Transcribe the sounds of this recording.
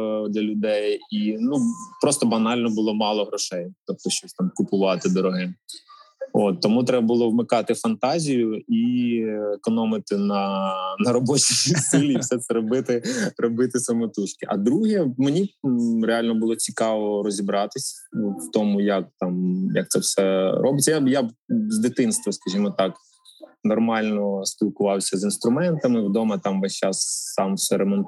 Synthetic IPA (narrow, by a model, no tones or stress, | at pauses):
d̪lʲɐlʲʊd̪ɛjinupɾɔst̪ɔbɐnɑlʲnɔbʊlˠɔmɑlˠɔɦɾɔʃɛjt̪ɔp̚t̪ɔʃt͡ʃɔst̪ɑmkʊpʊʋɑt̪ɪd̪ɔɾɔɦɪ | ot̪ːɔmut̪ɾɛbɐbʊlˠɔwmɪkɑt̪ɪfɐnt̪ɑzʲijʊi | ekɔnɔmɪt̪ɪnɐnɐɾɔbɔt͡ʃisʲilʲiifsɛt̪sɛɾɔbɪt̪ɪrɔbɪt̪ɪsɐmɔt̪ut͡ʃkʲɪʔɐ̰d̪ɾuɦɛmenʲireɑlʲnɔbʊlˠɔt͡sʲikɑʋɔɾɔzʲibɾɑt̪ɪsʲwt̪ɔmʊjɐk̚t̪ɑmjɐk̚t̪sɛwsɛrʔɔbɪt͡sʲːɐjabjabzd̪ɪt̪ɪnst̪ʋɔskɐʒʲimɔt̪ɑk | nɔrmɑlʲnɔspʲilˠkʊʋɑwsʲɐzinst̪ɾʊmɛnt̪ɐmɪwd̪ɔmɐt̪ɑmʋɐsʲt͡ʃɑsːɑmwsɛɾemɔn